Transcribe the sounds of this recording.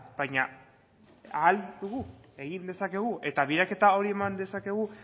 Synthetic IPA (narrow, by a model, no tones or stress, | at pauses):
b̥ajɲa | aːld̪uɣ̞ue̞ɣind̪e̞sake̞ɣ̞uʔe̞t̪aβiɾake̞t̪ao̞ɾie̞mand̪e̞sake̞ɣ̞u